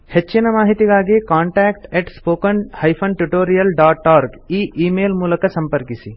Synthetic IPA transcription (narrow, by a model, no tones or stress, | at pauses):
hɐt͡ʃːinɐmaːɦit̪ikaːɡekaːɳʈɛːkʈɛːʈspoːkɐnhɐjpʰɐnʈuʈoːɾijɐlɖaːʈaːɾɡiːʔiːmeːlmulɐkɐsɐ̃mpɐɾkisi